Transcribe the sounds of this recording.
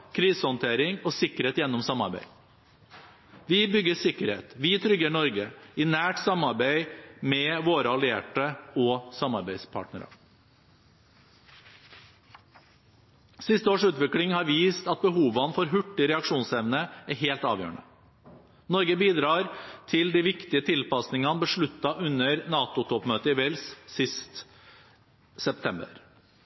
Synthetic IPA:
kʰɾiːsəhɔnt̪ʰeːɾɪŋɔːsɪkəɾheːt̪jɛnːɔmsɑmɑ̰ɾbæ̰ɪ | ʋɪbʏɡːəsɪkəɾhḛːt̪ʋɪt̪ʰɾʏɡəɳɔɾɡəɪnæːʈsɑmɑɾbæɪmɛʋoːɾəɑlɪeːʈəɔːsɑmɑɾbæɪspʰɑ̰ːʈnəɾɑ̰ | sɪst̪əoːʂʉːt̪ʋɪklɪŋhɑːɾʋiːst̪ɑt̪̚bəɦuːʋɑnfɔɾɦʉʈːɪɾɛɑkʂuːnsɛʋnəæɦeːlt̪ɑ̰ːʋjø̰ːɳə | nɔɾɡəbiːd̪ɾɑːɾt̪ʰɪld̪iʋɪkt̪ɪət̪ʰɪlpɑsnɪŋɑnbəʂɭʉt̪ːɑʔʉnəɾnɑːt̪ʊt̪ʰɔpmøːt̪əɪʋɛlssɪst̪ | sɛp̚t̪ʰɛmbə̰ɾ

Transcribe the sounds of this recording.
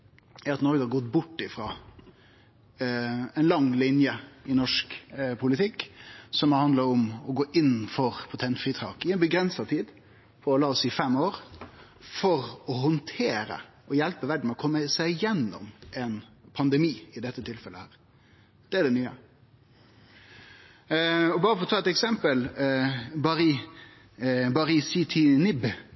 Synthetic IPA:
æɾɑt̪nɔɾɡəhɑɾɡɔt̪bʊʈːɪfɾɑː | ɛnlɑŋlɪnjəɪnɔʂkpʰʊlɪt̪ʰɪkːsɔmhɑnd̪ləɾɔmɔɡoːʔɪnːfɔɾpʰʊt̪ʰɛnt̪fɾɪt̪ʰɾɑːkɪɛnbəɡɾɛnsɑt̪ʰiːd̪ | pʰɔɾɔlɑːɔsɪfɛmːoːɾ | fɔɾɔɦɔnt̪ʰeːɾə̰ | ʔɔjɛlpəʋæɖɳ̩ɛɔkʰɔmːəsæɪjɛnːɔ̰mʔɛnpʰɑnd̪ɛmiːɪd̪ɛt̪ːət̪ʰɪlfɛləhæːɾ | d̪̥ɛæɖɛnyːə̰ | ɔbɑːɾəfɔɾɔt̪ʰɑːɛt̪ɛksɛmpəl | bɑɾi | bɑɾisit̪ʰɪnɪb

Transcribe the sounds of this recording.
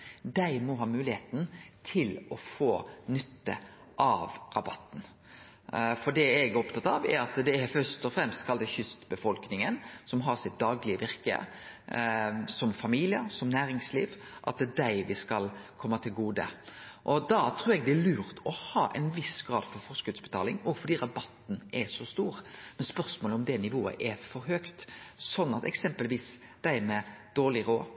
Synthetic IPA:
d̪æɪmɔɦɑːmʉːlɪheːt̪n̩t̪ʰɪlɔfoːnʏt̪ːə̰ | ʔɑʋɾɑbɑt̪ːn̩ | fɔɖɛɛɡɾɔpt̪ʰɑt̪ːɑʋɛ̰ɾɑt̪d̪ɛæɾfœʂt̪ɔfɾɛmst̪kʰɑld̪ɛçʏst̪bəfɔlknɪŋənsɔmɦɑɾsɪt̪̚d̪ɑːɡlɪəʋɪɾkə̰ | sɔmfɑmiːlɪəɾsɔmnæːɾɪŋslḭːʋ | ʔɑ̰t̪̚d̪ɛd̪æɪʋɪskɑlkʰɔmːət̪ʰɪlɡuːd̪ə̰ʔɔd̪ɑt̪ʰɾuːɾɛɡ̚d̪ɛlʉːɾt̪ɔhɑːʔɛ̰ɪnʋɪsɡɾɑ̰ːd̪fɔɾfɔʁsʉd̪sbə̥t̪ʰɑːlɪŋɔfɔɖ̪iːɾɑbɑt̪ːn̩ʔɛsɔst̪uːɾmɛnspœʁsmoːlɔmd̪ɛnɪʋoːə̰ʔɛfɔɾɦøːkt̪sɔnːɑt̪ɛ̰ksɛmpəlʋiːsd̪̥æɪmɛd̪̥oːɭɪɾoː

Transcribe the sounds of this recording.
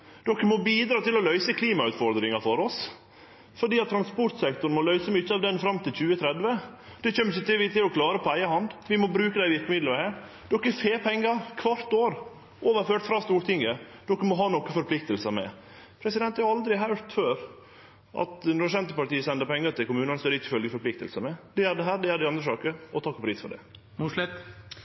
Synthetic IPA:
d̪̥ɔkːəmɔbiːd̪ɾɑːt̪ɪlɔlœʏsəkʰliːmɑʉːt̪fɔɾd̪ɾɪŋɑfɔɾɔs | fɔɖiːɑt̪t̪ːʰɾɑnspɔɾt̪sɛk̚t̪ʊɾnmɔlœʏsəmʏçːəɑʋd̪ɛnfɾɑmt̪ɪlçʉːət̪ʰɾɛd̪ʋə | d̪̥ɛçœmːçʊt̪ɪʋɪt̪ɪlɔkʰlɑːɾəpʰɔæɪəhɑnd̪ʋɪmɔbɾʉːkəd̪æɪʋɪɾkəmɪd̪ləɾhæɾ | d̪̥ɔkːəɛfeːpʰɛŋːəɾkʰʋɑɾt̪oːɾ | oːʋəɾføːʈfɾɑːst̪uːɾt̪ʰɪŋːəd̪̥ɔkːəmɔɦɑːnɔkːəfɔɾpʰlɪk̚t̪əlsəmɛ̰ | pʰɾɛsɪd̪ɛnt̪hɑɾɑld̪ɾɪɦɑʉɾt̪føːɾ | ʔɑ̰t̪nɔɾsɛnt̪əpɑʈ̪iːəsɛnd̪əɾpʰɛŋːəɾt̪ʰɪlkʊmʉːnɑnsɔɾɪçːəfœlɡəfɔɾplɪk̚t̪ə̰lsəmɛd̪̥ɛæɾd̪ɛɦæːɾɖɛæd̪æɪɑnd̪ɾəsɑːkəɾɔt̪ʰɑkːɔpʰɾiːsfɔɖɛ̰ | muːlɪt̪

